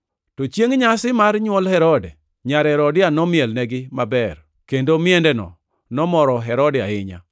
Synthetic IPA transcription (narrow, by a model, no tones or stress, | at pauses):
tɔt͡ʃjeŋɲasɪmaɾɲwɔlhɛɾɔdɛ | ɲaɾɛɾɔdɪanɔmɪɛlnɛɡɪmabɛr | kendomɪɛndɛnɔ̰ | nɔmɔɾɔɦɛɾɔdɪa̰ɪɲa̰